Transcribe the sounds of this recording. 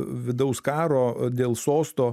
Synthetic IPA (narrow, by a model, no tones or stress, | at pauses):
ʋʲɪd̪ɐʊskɑːɾoːd̪ʲeːlˠsoːst̪oː